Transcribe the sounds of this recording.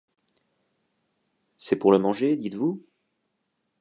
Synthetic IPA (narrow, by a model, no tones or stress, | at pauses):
sɛpuʁləmɑ̃ʒed̪it̪vu